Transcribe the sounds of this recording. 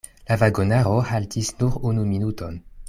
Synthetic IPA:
lavaɡonaʁohaltisnuʁunuminutʰon

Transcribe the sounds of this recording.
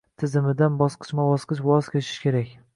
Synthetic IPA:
t̪ʰɪzɪmɪd̪anbɒsqɨ̥ʃmabɒsqɨʃwɒzkʲʰeʃɪ̥ʃkʲe̞ɾakʲ

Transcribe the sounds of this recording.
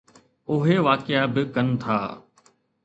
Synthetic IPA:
ʊɦeʋaːkɪabɪkɐnt̪ʰa̰ː

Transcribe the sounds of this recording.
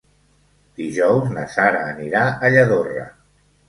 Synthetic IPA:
d̪̥iʒɔwznəsaɾaːniɾaəʎəðorə̰

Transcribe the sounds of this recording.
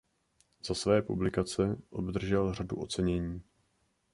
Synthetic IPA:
z̥asvɛːpṵblɪkat͡sɛʔo̞̰bd̪r̩ʒɛlr̝aduʔo̞t͡sɛɲɛɲiː

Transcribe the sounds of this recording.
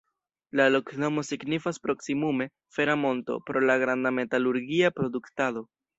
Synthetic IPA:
lalokno̞mo̞siɡnifaspɾo̞ksimume̞ | fe̞ɾamo̞nto̞̰pɾo̞laɡɾandame̞taluɾɡiapɾo̞duktado̞

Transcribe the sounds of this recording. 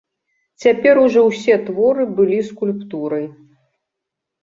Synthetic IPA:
t͡sʲapʲɛɾuʐɔwsʲɛt̪vɔɾɨbɨlʲiskulʲpt̪uɾɐj

